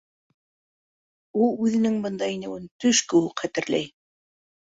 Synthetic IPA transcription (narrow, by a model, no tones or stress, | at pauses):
ulˠʉðɘ̆nɘŋbɤ̆nd̪ɑinɘ̆wɘnt̪ɵʃkɘ̆wɘqχæt̪ɘ̆ɾlæ̰j